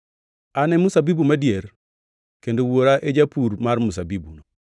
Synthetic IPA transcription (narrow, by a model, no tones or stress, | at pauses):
anɛmusabibumadjeɾ | kendowoɾaʔed͡ʒapuɾmarmusabibṵno